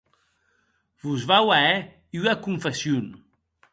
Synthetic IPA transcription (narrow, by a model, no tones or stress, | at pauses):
vuzβawaɛ | yakuɱfesjun